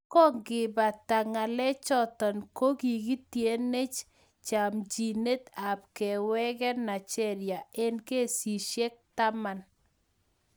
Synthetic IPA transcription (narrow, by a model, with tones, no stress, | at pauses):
kɔ˦ŋɡɪ˨ba˨ta˨ŋa˨lɛ˦t͡ʃɔ˦tɔ˨nko˦ɡi˨ɡi˦tje˨˦ne˦t͡ʃ | t͡ʃa˨md͡ʒi˨ne˦t̪a˨b̚kɛ˨wɛ˦ɡɛ˦na˨t͡ʃɛ˦ɾja˨e˦nke˦˨si˨ʃe˦k̚ta˦ma˨n